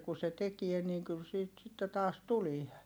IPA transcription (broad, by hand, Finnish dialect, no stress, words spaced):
ku se tekie niːŋ kyl siːt sitːe tɑːs tulie